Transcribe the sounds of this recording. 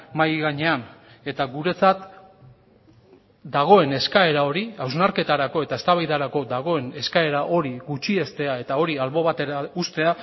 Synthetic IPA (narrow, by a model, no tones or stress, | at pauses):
majɣaɲe̞an | e̞t̪aɣuɾe̞t͡sat̪ | d̪aɣ̞o̞e̞ne̞skae̞ɾao̞ɾiawznaɾke̞t̪aɾako̞e̞t̪ae̞st̪aβajðaɾako̞d̪aɣ̞o̞e̞ne̞skae̞ɾaʔo̞ɾiɣut͡ʃie̞st̪e̞ae̞t̪ao̞ɾialβo̞βat̪e̞ɾaust̪e̞a